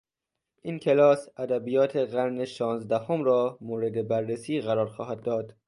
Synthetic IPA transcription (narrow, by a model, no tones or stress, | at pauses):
ʔiːnkʲʰelɒːsæd̪æbijɒːt̪ʰe̞ɣæɾneʃɒːnzd̪æhomɾɒːmoːɾe̞d̪e̞bæɾːesiːɣæɾɒːɾxɒːɦæd̪ːɒːd̪